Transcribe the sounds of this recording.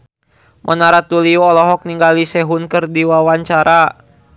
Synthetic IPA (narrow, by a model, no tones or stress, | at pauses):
mʔɔ̰naɾat̪uliɔːlɔɦɔk̚niŋɡalisɛɦunkɨrdiwawaɲt͡ʃaɾʔa